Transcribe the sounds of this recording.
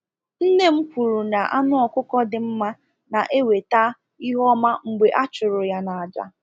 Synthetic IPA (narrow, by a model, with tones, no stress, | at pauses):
n̩˦ne˦m̩˦kʷu˨ɾu˨na˨ʔa̰˦nʊ˦ɔ˨kʷʊ˦kɔ˦dɪ˨m̩˦ma˦ | na˨ʔe˦we˨ta˦ | i˦ɦɔ˦ma˦ŋ͡m̩˨ɡ͡be˨ʔa˦t͡ʃʊ˨ɾʊ˨ja˦na˨a˨d͡ʒa̰˨